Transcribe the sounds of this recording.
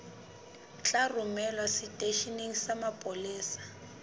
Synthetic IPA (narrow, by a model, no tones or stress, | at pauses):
t͡ɬʼarʊmɛlwasitʼeʃineŋ̩samapʼoliːsḁ